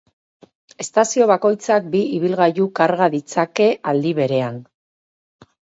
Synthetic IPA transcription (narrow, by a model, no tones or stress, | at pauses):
e̞st̪asio̞β̞ako̞jt͡sak̚biiβ̞ilɣajukaɾɣaðit͡sake̞ʔald̪iβe̞ɾe̞an